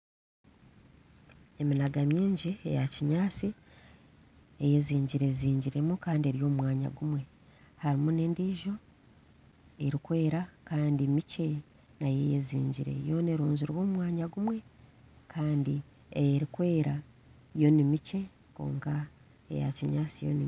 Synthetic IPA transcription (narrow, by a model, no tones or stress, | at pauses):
e̞minaɡamjiːɲɟiḛjaciɲaːt͡si | eje̞ziːɲɟiɾe̞ziːɲɟiɾe̞mukaːndieɾijo̞ːmwaːɲa̰ɡumwe̞ | haɾimune̞ːndiːʒo̞ | eɾikwe̞ːɾakaːndimice̞ | naje̞jezḭːɲɟiɾe̞̰jo̞ne̞ɾuːnzuɾwo̞ːmwaːɲaɡumwe̞ | kʰaːndi | ejeɾikwe̞ːɾa | jo̞nimice̞ | ko̰ːŋka | ḛja̰ciɲaːt͡sijo̰ni